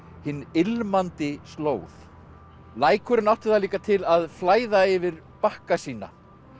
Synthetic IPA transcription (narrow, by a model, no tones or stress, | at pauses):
hɪnːɪlmant̪ɪst̪loːwθ | laːjkʰœɾʏnawht̪ɪ̥θaliːkat̪ʰɪlaðflaːjðaɪvɪɾ | pahkasiːna̰